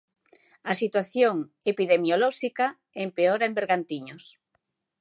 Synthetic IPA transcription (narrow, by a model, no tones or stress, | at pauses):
ɐsit̪waθjoŋ | epiðemjolɔʃika | empeɔɾɐembeɾɣant̪iɲʊs